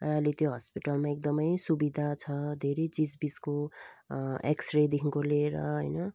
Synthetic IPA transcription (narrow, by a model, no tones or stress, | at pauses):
rʌʌlet̪joɦʌspiʈalmaek̚d̪ʌmʌjsubid̪ʱat͡sʰʌd̪ʱeɾejt͡sid͡zbid͡zko | ḛksred̪ekʰiŋkoleɾʌ̰ɦʌjnʌ